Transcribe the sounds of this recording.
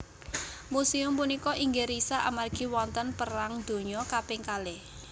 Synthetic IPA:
musiʊmpunikɔʔiŋɡeɾisaʔamarɡ̥i̤wɔnt̪ənpəɾaŋd̪̥o̤ɲɔkapɪŋkale

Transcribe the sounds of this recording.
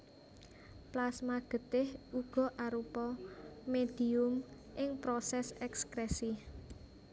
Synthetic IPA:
plasmaɡ̥ə̤t̪ɪhuɡ̥ɔ̤ʔaɾupɔmed̪̥i̤ʊm | ʔɪŋpɾɔsɛsɛkskɾɛsi

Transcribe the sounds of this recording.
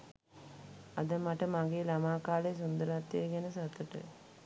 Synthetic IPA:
ad̪əmaʈəmaɡeːlamaːkaːlejs̬und̪əɾat̪ːjeɡɛnəsat̪ːəʈə̰

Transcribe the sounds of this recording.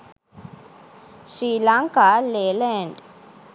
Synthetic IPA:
ʃɾiːlaːŋkaːleːlɛɳɖ

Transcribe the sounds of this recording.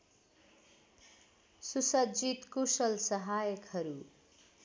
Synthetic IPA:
susʌd͡zit̪kusʌlsʌɦajʌkhʌɾu

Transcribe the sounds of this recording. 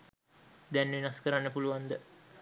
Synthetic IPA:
d̪ɛnʋinaskəɾanːəpuluʋand̪ə

